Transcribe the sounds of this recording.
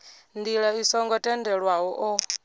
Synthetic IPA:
nd̪iɺaisɔŋɡɔtʼɛndɛɺwaɦɔʔɔ

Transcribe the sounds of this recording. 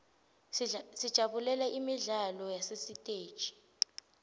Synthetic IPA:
sid̥ʒ̥ʱaɓulɛlɛʔimiɮalɔjasesitʼeːd̥ʒ̥ʱi̥

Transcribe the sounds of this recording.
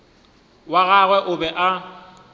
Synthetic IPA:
waɣaɣwɛʔʊbɛʔa

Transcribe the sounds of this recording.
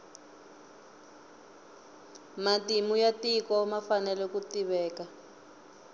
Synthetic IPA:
matimujatikɔmafanɛlɛkutiβɛːka

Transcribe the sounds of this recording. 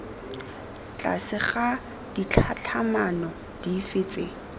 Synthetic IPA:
t͡ɬʼa̰sɪχa | d̥it͡ɬʰat͡ɬʰamanɔ | d̥ifɪːt͡sʼɪ

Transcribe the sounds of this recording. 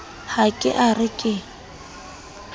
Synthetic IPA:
hakʼɪ̰ʔarɪkʼɪ

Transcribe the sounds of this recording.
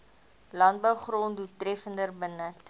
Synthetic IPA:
lɐnt̚bəwχrondutːrɛfəndərbənət

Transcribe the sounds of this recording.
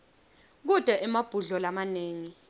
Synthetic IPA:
k̬ud̥ʱʼɛʔɛmab̥ʱuɮɔlamaneːŋi

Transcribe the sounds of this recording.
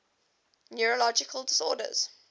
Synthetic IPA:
njuɹəlɔd͡ʒɪkʰəlˠdɪsɔ̰ːdə̰z̥

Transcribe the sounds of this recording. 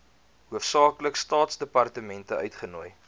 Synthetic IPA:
ɦuəfsɑːkləkstɑːtsdəpɐrtəmɛntəœɥtχənuəj

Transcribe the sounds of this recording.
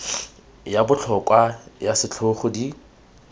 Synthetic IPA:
jabʊt͡ɬʰɔkʼwajasɪt͡ɬʰoχʊdi

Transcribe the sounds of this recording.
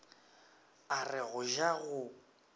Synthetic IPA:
arɪɣʊʒaɣʊ

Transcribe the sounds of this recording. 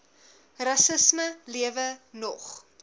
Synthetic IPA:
rɐsəsməliəvənɔχ

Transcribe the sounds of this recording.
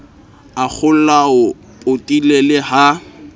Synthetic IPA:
ak͡xʰʊl̩laʊ | pʼʊtʼilelɪha

